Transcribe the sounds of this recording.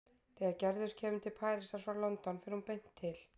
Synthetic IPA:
θɛːɣaɾcɛɾðʏɾ̥cʰɛːmʏmt̪ʰɪlpʰaːjɾɪsaɾ̥fɾawlɔnt̪ɔnfɪɾɪhunpejn̥t̪ʰːɪl̥

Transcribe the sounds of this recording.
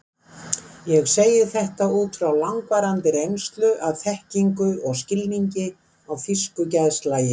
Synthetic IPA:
jɛɣseːjɪθɛht̪auːt̪fɾawlaŋkvaɾant̪ɪɾejnst̪lʏʔaðθɛhciŋkʏɔɣscɪlniɲcɪ | awfiskʏcaðst̪laːjɪ

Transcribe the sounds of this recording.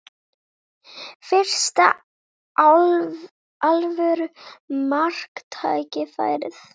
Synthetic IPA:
fɪr̥st̪a̰ | alvɛɾʏmar̥kt̪ʰa̰ːjcɪfa̰ːjɾɪθ

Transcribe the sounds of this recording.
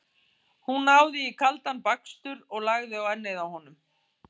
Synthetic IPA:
hunːaːwðɪikʰalt̪anpakst̪ʏɾɔɣlaɣðɪawɛɾnejðawhɔnʏm

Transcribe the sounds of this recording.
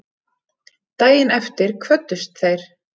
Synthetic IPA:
t̪aːjɪnɛft̪ɪɾ̥kʰvœt̪ːʏst̪θejɾ̥

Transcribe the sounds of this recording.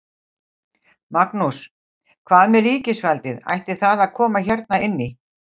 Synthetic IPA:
maknus | kʰvaːðmɛɾiːcɪsvɛlt̪ɪða̰jht̪ɪθaðaðkʰɔːmaçɛɾt̪̚naɪnːɪ

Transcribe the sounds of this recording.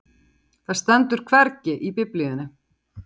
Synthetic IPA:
θaðst̪ɛnt̪ʏɾ̥kʰvɛɾcɪʔipɪpliʏnːɪ

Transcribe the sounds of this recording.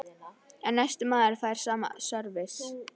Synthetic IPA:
ɛnːajst̪ʏmaːðɪɾ̥faːjɾ̥saːma̰sœɾvɪs

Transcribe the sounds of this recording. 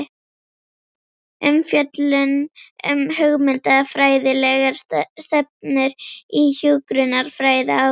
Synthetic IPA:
ɛmfjœt̪lʏnœ̰mhœɣmɪnt̪afɾaːjðɪlɛɣaɾ̥st̪ɛp̚nɪɾiçʏkɾʏnaɾ̥fɾaːjða

